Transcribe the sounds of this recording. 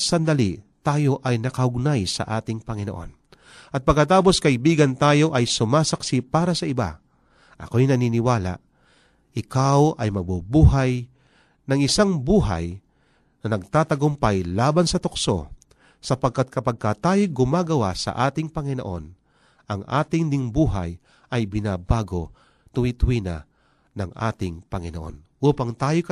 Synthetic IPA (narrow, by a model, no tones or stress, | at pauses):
sɐnd̪ɐlit̪aːjo̞ʔɐjnɐkɐhʊɡ̚najsɐ̰ʔaːt̪ɪŋpɐŋɪno̞ʔo̞̰n | ʔɐt̪̚pɐɡ̚kɐt̪aːp̬o̞skɐʔɪbiːɡɐnt̪aːjo̞ʔɐjsʊmaːsɐksipaːɾɐsɐʔɪba̰ | ʔɐ̰kojnɐniːnɪwaːla̰ʔ | ʔɪkawɐjmɐbubuːɦaj | nɐŋɪsaŋbuːɦa̰j | nɐnɐɡ̚t̪aːt̪ɐɡʊmpajlaːbansɐt̪okso̞̰ | sɐpɐɡ̚kːat̪̚kʰɐpɐɡ̚kat̪aːjoɡʊmaːɡɐwasɐ̰ʔaːt̪ɪŋpɐŋɪnoʔo̞n | ʔɐŋʔa̰ːt̪ɪŋd̪ɪŋbuːɦa̰j | ʔɐjbɪnaːbaːɡo | t̪ʊwit̪ʊwina̰ | nɐŋʔa̰ːt̪ɪŋpɐŋɪnoʔo̞̰nʔuːpɐŋt̪aːjokɐ